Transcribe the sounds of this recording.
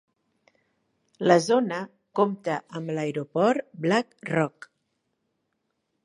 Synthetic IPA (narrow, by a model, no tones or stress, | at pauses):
ləzonə | komt̪əʔəmləeɾopɔɾblakrɔk